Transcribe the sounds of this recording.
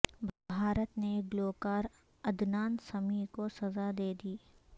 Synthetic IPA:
bʱaːɾət̪neɡloːkaːɾ | ɐd̪naːnsɐmikosɐzad̪eːd̪iː

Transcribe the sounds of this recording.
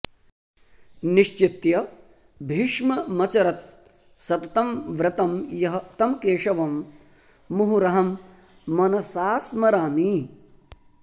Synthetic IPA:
niʃt͡ʃit̪jɐ | bʱiʂmɐmɐt͡ʃɐɾɐt̪̚ | sɐt̪ɐt̪ɐmʋɾɪt̪ɐmjɐɦɐt̪ɐmkeːʂɐʋɐmː | uɦuɾɐɦɐmː | ɐnɐsaːsmɐɾaːmi

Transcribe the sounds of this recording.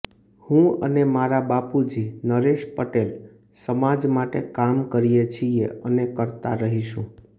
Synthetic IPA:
hũənemaɾabapud͡ʒinəɾeʃpəʈel | səmad͡ʒmaʈekamkəɾijet͡ʃʰieənekəɾt̪a̰ɾəɦiʃũ

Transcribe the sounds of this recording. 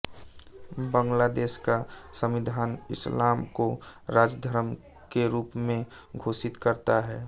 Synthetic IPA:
bə̃ŋɡlad̪eːskasə̃mʋɪd̪ʱaːnɪslaːmkoɾaːd͡ʒd̪ʱəɾəm | keɾuːpmẽ | ɡʱoːsɪt̪kəɾt̪aɦɛː

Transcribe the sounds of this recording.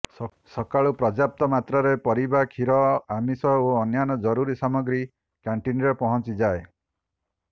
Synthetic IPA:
sɔkaɭupɾɔd͡ʒap̚t̪ɔmat̪ɾɔɾepɔɾibakʰiɾɔamisɔoːnjanɔd͡ʒɔɾuɾisamɔɡɾi | kaɳʈinɾepɔɦɔnt͡ʃid͡ʒae

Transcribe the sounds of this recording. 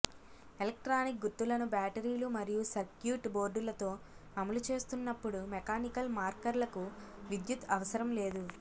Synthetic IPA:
elɐk̚ʈɾaːnik̚ɡut̪ːulɐnubaːʈɐɾiːlumɐɾijusɐɾkjuːʈbo̞ːɾɖulɐt̪o̞ːɐmɐlut͡ʃe̞ːst̪unːɐpːuɽumɛkaːnikɐlmaːɾkɐɾlɐkuʋid̪jut̪ʰɐʋɐsɐɾɐmle̞ːd̪u

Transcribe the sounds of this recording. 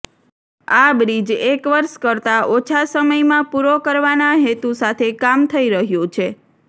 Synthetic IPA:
abɾid͡ʒekʋəɾʃkəɾt̪aʔot͡ʃʰasəməjmãpuɾokəɾʋanaɦet̪usat̪ʰekamt̪ʰəiɾəɦjõt͡ʃʰe

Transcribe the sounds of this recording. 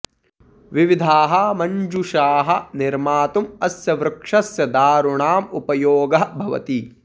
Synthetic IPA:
ʋiʋid̪ʱaːɦɐmɐɲd͡ʒuʃaːɦɐniɾmaːt̪umɐsjɐʋɾɐkʂɐsjɐd̪aːɾuɳaːmupɐjoːɡɐɦbʱɐʋɐ̰t̪i

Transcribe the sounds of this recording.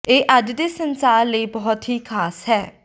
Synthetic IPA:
eːʔaddeːsə̃nsaːɾləibɔɦɔt̪ɦiːkʰaːshɛː

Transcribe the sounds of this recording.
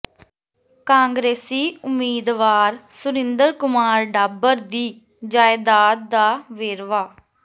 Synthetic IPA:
kãːŋɡɾeːsiːʊmːiːd̪ʋaːɾsʊɾɪ̃nd̪əɾkʊmaːɾɖaːbəɾd̪iː | d͡ʒaːɪd̪aːt̪̚d̪aːʋeːɾʋaː

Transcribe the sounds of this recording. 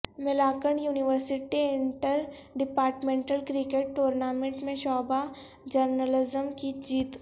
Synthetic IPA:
mɪlaːkəɳjuːnɪʋəɾsɪʈiɪ̃ɳʈəɾɖɪpaːɾʈmẽːɳʈəlkɾikeːʈːoːɾnaːmẽɳʈmẽʃɔːba | d͡ʒəɾnəlɪzəmkid͡ʒiːt̪

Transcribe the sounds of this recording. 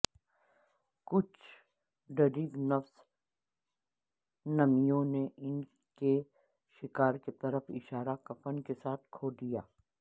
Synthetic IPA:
kʊt͡ʃʰ | ɖɐɾiːɡnɐfs | nɐmijõneɪn | ke | ʃɪkaːɾket̪ɐɾəfɪ̰ʃaːɾakɐpənkesaːt̪̚ʰkʰoːd̪ijaː

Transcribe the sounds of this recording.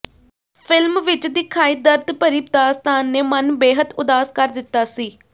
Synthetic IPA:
pʰɪlmʋɪt͡ʃd̪ɪːkʰaːiːd̪əɾd̪pəɾiːp̚d̪aːst̪aːnːeːmənbeːɦəd̪ʊd̪aːskəɾd̪ɪt̪ːaːsiː

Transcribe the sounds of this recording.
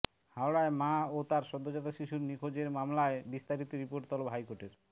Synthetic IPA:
hawɽaemaot̪aɾʃɔd̪ʱːod͡ʑat̪aʃiʃuɾnikʰod͡ʑeɾmamlaebist̪aɾit̪oɾipoɾʈt̪ɔlopɦajkoʈeɾ

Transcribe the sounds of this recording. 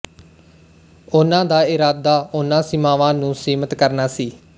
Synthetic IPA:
ʊnãːd̪aːɪɾaːd̪aːʊnãːsɪmãːʋãːnũːsiːmət̪kəɾnaːsiː

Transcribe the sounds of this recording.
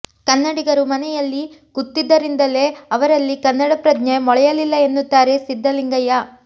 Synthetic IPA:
kɐnːɐɽiɡɐɾumɐnɛjɐlːiɡ̥ut̪ːid̪ːɐɾind̪ɐle̞ːɐʋɐɾɐlːikɐnːɐɽɐpɾɐd̪nemɔɭɛjɐlilːɐenːut̪ːaːɾe̞sid̪ʱːɐliŋɡɐja

